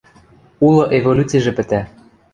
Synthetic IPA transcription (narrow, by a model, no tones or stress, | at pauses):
ulˠoʔevolʲut͡siʒĕpɘ̆t̪æ